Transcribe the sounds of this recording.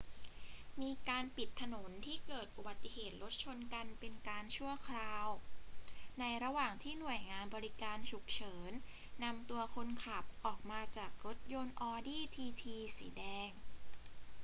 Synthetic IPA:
miː˧kaː˧npi˨˩t̪ʰːa˧no˩˦nt̪ʰiː˥˩kɤː˨˩t̪̚ʔu˧ba˨˩t̪ːi˨˧ɦeː˨˩t̪̚ɾo˦˥t̪̚t͡ɕʰo˧nka˧npe˧nkaː˧nt͡ɕʰu˥˩ɐkʰɾaː˧w | na˧jɾa˧waː˨˩ŋt̪ʰiː˥˩nu˨˩əjŋaː˧nbɔː˧ɾi˦˥kaː˧nt͡ɕʰu˨˩k̚t͡ɕʰɤː˩˦nː | a˧mt̪u˧ɐkʰo˧nkʰa˨˩p̚ʔɔː˨˩k̚maː˧t͡ɕaː˨˩k̚ɾo˦˥t̪̚jo˧nʔɔː˧diː˥˩t̪ʰiː˧t̪ʰiː˧sḭː˩˦dɛː˧ŋ

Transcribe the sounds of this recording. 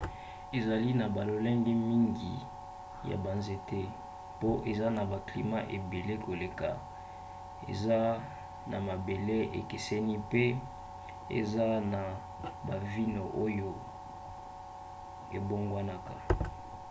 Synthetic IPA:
e˨za˨li˦na˨ba˨lo˨lɛ˦ŋɡɛ˦mi˦ŋɡi˨ | ja̰˨ba˨nze˨te˦ | po˦ʔe˨za˦na˨ba˨kli˨ma˦ʔe˨be˨le˦ko˨le˨ka̰˨ | ḛ˨za˦ | na̰˨ma˨be˨le˦ḛ˨ke˨sɛ˦ni˦pe˦ | ḛ˨za˦na˨ | ba˨vi˦no˨ʔo˦jo˦ | ḛ˨bo˦ŋɡwa˦na˦ka˨

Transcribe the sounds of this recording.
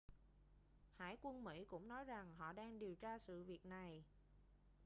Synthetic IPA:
ha̰ː˧˥˩jkwə˧nmḭ˧˥kʊ̰˧˥ŋ͡mnɔ˨˦jza˨˩ŋɦɔ̰˧˨ɗaː˧ŋɗi˨˩əwt͡ɕaː˧sɨ̰˧˨vi˨˩ək̚na˨˩j

